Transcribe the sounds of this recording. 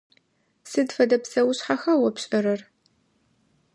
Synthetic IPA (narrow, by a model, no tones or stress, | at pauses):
sɨdfɐdɐpsɐwʊɕħaxɐwɔpɕʼɐɾɐr